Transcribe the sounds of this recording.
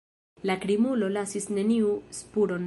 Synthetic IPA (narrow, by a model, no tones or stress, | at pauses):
lakɾimulo̞lasisne̞niuspuɾo̞n